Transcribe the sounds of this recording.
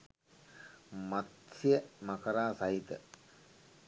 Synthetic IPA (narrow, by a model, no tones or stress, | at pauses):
mat̪siəmakəɾaːsait̪ə̰